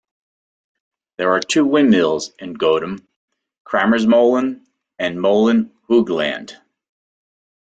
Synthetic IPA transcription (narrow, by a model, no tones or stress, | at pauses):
ðə˞ə˞tʰʉwɪ̃nmilˠzɨ̃nɡoʊɾə̃m | kʰɹ̥æmə˞zmoʊlˠə̃n | ɨ̃nmoʊlˠə̃nhuɡlæ̰̃nd̥